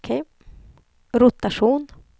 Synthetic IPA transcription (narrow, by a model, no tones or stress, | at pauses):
kʰe | ɾʊt̪aʂuːn